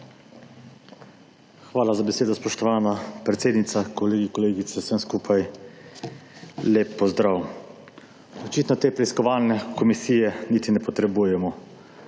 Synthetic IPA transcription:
xʋaːlazabɛseːd̪ɔspɔʃt̪ɔʋaːnapɾɛt̪seːd̪nit̪sakɔleːɡikɔleːɡit̪sɛsɛmskuːpʰaj | leːpːɔzd̪ɾaːw | ɔt͡ʃiːt̪nɔt̪eːpɾɛiskɔʋaːlnɛkɔmisiːjɛnit̪inɛpɔt̪ɾɛbujɛmɔ

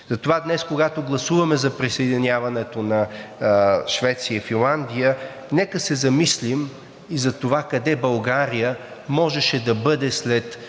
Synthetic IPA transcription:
zɐt̪ovad̪nɛskoɡat̪oɡlˠɐsuvɐmɛzɐpɾisɐɛd̪inʲavɐnɛt̪onɐ | ʃvɛt̪siəifinlˠand̪ijə | nɛkəsɛzɐmislim | izɐt̪ovakɐd̪ɛbɐlˠɡaɾijə | mɔʒɛʃɛd̪ɐbɤd̪ɛslɛt̪

